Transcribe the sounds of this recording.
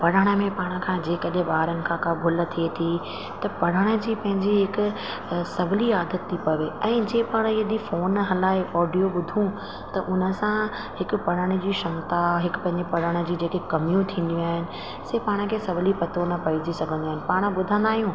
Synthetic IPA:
pɐɽ̤əɽ̃ə̆mẽpaːɽ̃ə̆kʰãːd͡ʑeːkɐɗẽɓaːɾənɪ̆kʰãːkabʱʊlə̆t̪ʰiet̪ʰi | t̪ɐpɐɽ̤əɽ̃ə̆d͡ʑiːpɐ̃ɦɪ̃ɲd͡ʑiɦɪkʊ̆ | sɐbʱɪliaːd̪ʱət̪ʰːipɐʋeɛ̃ːd͡ʑeːpaːɽ̃iɦd̪ifoːnɦɐlaːeʔɔːɖijoɓʊd̪ʱũ | t̪ɐʔʊn̤ə̆sã | hɪkʊ̆pɐɽ̤əɽ̃̆d͡ʑiːʃɐ̃mt̪aɦɪkʊpɐ̃ɦɪ̃ɲd͡ʑepɐɽəɽ̃ə̆d͡ʑiːd͡ʑeːkekɐmijũt̪ʰĩːn̆d̪iaːɦɪnɪ̆ | seːpaːɽ̃ə̆kʰeːsɐbʱlipɐt̪ʰonɐpɐid͡ʑisɐɡʱə̃nd̪iaːɦɪ̃nɪ̆paːɽ̃ə̆ɓʊd̪ʱə̃nd̪aːɦijũ

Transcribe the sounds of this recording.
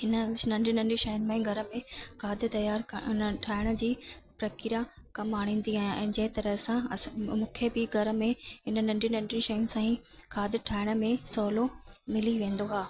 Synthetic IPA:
ɪnə̆nɐ̃ɳɖʱinɐ̃ɳɖiʃɐːjnmẽɡʱɐɾə̆mẽkʰaːd̪ɪt̪ɐjaːɾʈʰaːɪɽ̃ə̆d͡ʑiːpɾɐkɪɾakɐmaːɽ̃ĩːn̆d̪iãːɛ̃ːd͡ʑɐɦɪt̪ɐɾəɦsãmũːkʰebɪɡʱɐɾə̆mẽɦɪnə̆nɐ̃ɳɖinɐ̃ɳɖinʃɐːnɪsãːĩkʰaːd̪ɪʈʰaːɪɽ̃ə̆mẽsɔːlomɪliʋẽːn̆d̪oɦaː

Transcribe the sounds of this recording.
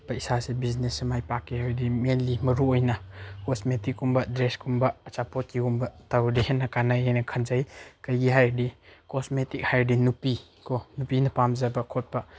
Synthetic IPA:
baisasebiznesmajpakːiɦajdimenlimɐɾuojnɐkɔsmetikumbɐdɾeskumbɐːt͡ʃapɔt̚kiɡumbɐtawdihenːɐkanajajnɐkʰɐnzajkajɡiɦajdikɔsmetik̚hajdinupi | kʰɔnupinɐpamzɐbɐkʰɔt̚bɐ

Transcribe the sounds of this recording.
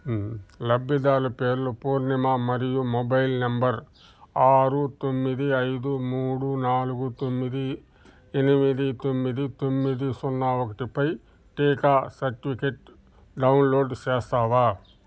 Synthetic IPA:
lɐbːid̪aːlupeːɾlupuːɾnimaːmɐɾijumobɐjlnɐmbɐɾ | aːɾut̪omːid̪iɐjd̪umuːɽunaːluɡut̪omːid̪i | enimid̪it̪omːid̪it̪omːid̪isɔnːaʋokɐʈipɐj | ʈeːkaːsɐɾʈipʰikeʈ̚ | ɖɐwunloːɖt͡ʃɛːst̪aːʋaː

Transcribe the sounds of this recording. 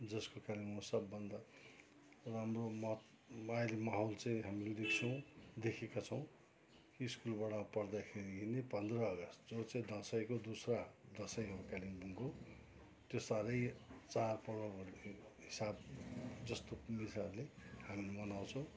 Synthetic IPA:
d͡zʌskokalimmʌsʌbːʌnd̪a | ramromʌt̪ | majlimaɦolt͡sãĩɦamiled̪ekʰt͡sʰʌw̃d̪ekʰekat͡sʰʌw̃ | kiskulbaɽʌpʌrd̪akʰeɾiinepʌnd̪rʌːɡʌst̪d͡zot͡sãĩd̪ʌsʌjkod̪usrad̪ʌsʌjɦʌɾukalimbuŋɡo | t̪josaɾʌjt͡sarpʌɽoʌrneɦisabd͡zʌst̪omisaɾlehamilemʌnaw̃t͡sʰʌ̃w̃

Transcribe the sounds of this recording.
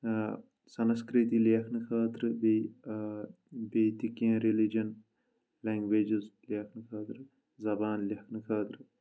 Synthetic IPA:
sɐnskɾit̪ileɐkʰnɨkʰaːt̪ɾɨbej | bet̪ikeɐ̃ɾilid͡ʒɐn | lɛːŋɡʋeːd͡ʒizleɐkʰnɨkʰaːt̪ɾɨ | zɐbaːnlɐkʰnɨkʰaːt̪ɾɨ

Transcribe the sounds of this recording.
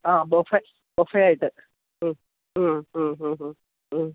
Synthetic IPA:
aːbofɐ | bofɐjaːjiʈːɨ | ɦːɦ

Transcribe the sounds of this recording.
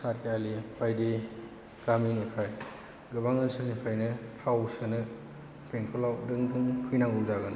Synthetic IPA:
sat̚kʰealibajdi | ɡ̥aminupʰɾaj | ɡɯbaŋɯnsɯnipʰajnɯpʰawsɯnɯ | pʰeŋkʰɔlawdɯŋdɯŋpʰɯjnaŋuzaɡɯn

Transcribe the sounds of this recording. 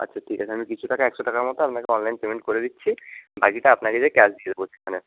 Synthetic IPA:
a̰tːɕʰaʈʰikat͡ɕʰaamikit͡ɕʰuʈakaɛkʃoʈakaɾmɔt̪oapnakeɔnlajnpemeɳʈ̚koɾed̪itːɕʰibakiʈaapnaked͡ʑekɛsd̪ied̪eboʃekʰane

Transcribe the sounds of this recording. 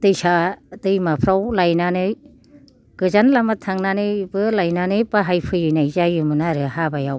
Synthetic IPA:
tɯjsatɯjmapʰɾawlajnanɯj | kɯzanlamatʰaŋnanɯbɯlajnanɯjpaɦajpʰɯjɯnajzajɯmɯnaɾɯhabajaw

